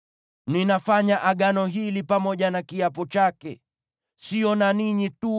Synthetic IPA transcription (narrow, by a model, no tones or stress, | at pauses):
ninafaɲaʔaɠanɔɦilipamɔʄanakiapɔt͡ʃakɛ | siɔnaniɲitu